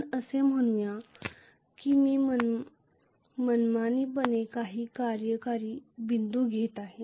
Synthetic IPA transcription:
əsem̤əɽ̃ujã | kimiːmən | mənmaniːbənekaɦiːkaɾjəkaɾiːbind̪uːɡʱet̪aɦe

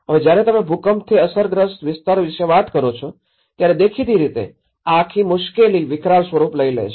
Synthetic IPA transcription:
ɦəʋed͡ʒjaɾet̪əmẽbʱukəmt̪ʰiəsəɾɡɾəst̪ʋɪst̪aɾʋɪʃeʋat̪kəɾot͡ʃʰo | t̪jaɾed̪ekʰit̪iɾit̪ḛ | aːkʰimʊʃkeliʋɪkɾasʋəɾupləilḛt͡ʃʰ

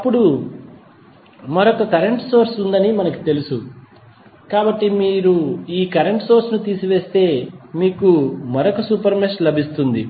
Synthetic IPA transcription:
ɐpːuɽu | mɐɾokɐkɐɾeɳʈso̞ːɾsund̪ɐnimɐnɐki̥t̪e̞lusu | kaːbɐʈːimiːɾuiːkɐɾeɳʈso̞ːɾsnut̪iːsiʋe̞ːst̪e̞ːmiːkumɐɾokɐsuːpɐɾmesʈlɐbʱist̪und̪i

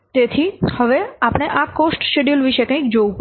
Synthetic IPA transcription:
t̪et̪ʰihəʋeapɽ̃eʔakosʈsʈeɖijulʋiʃekə̃kd͡ʒowp

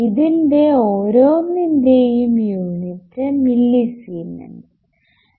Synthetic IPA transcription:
iðinde̞o̞ːɾo̞ːnːinde̞jumjuːnitːɨmilːisiːnːɐ̰n

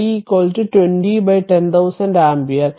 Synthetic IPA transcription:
ikoːlʈuʈweɳʈibajʈẽnt̪ʰɐwsɐ̃nɖaːmpiɐɾ

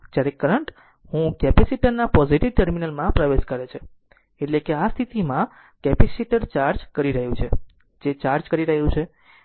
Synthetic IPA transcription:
d͡ʒjaɾekəɾəɳʈ | hũkɛpɛsiʈəɾnapɔziʈiʋʈəɾminəlmãpɾəʋeʃkəɾet͡ʃʰe | eʈlekeast̪ʰit̪imã | kɛpisiʈəɾt͡ʃaɾd͡ʒkəɾiɾəɦjũt͡ʃʰe | d͡ʒet͡ʃaɾd͡ʒkəɾiɾəɦejũt͡ʃʰe

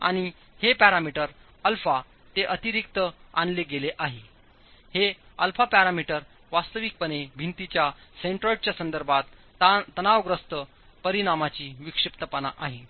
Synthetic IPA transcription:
a̰ɽ̃i | hepæɾamiʈəɾ | əlfa | t̪eʔət̪iɾik̚t̪əa̰nleɡeleʔaɦe | heəlfapæɾamiʈəɾ | ʋast̪əʋik̚pənebʱint̪it͡ɕjaseɳʈɾəʈ̚t͡ɕjasənd̪əɾbʱat̪ | t̪ːənaʋɡɾəst̪ə | pəɾiñamat͡ɕiːʋikʂip̚t̪əpənaʔaɦe

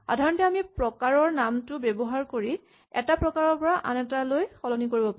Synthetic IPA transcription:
xxa̰dʱaɹɔntɛamipɹɔkaɹɔɹnamtʊbɛbɔɦaɹkoɹi | ɛ̰tapɹɔkaɹɔɹpɔɹaʔa̰nɛtalojxɔlɔnikoɹibɔpa

